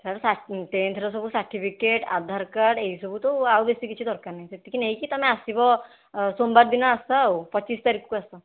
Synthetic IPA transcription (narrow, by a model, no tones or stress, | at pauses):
sɐɾsaʈẽnt̪ʰɾɔsɔbʱusaɾʈʰipʰikeʈa̰d̪ʱaɾkəɖeɦisɔbʱut̪oawbest̪ikit͡ʃʰid̪ɔɾkanɐɦĩset̪ːikineɦikit̪ɔmɛ̃asibɔ | sombəɾd̪inaasaopət͡ʃːiːst̪aɾikkoasa